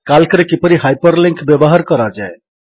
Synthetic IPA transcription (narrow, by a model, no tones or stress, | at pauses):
kalkɾekipəɾiɦajpəɾliŋkbjʌbɔɦaɾkɔɾad͡ʒae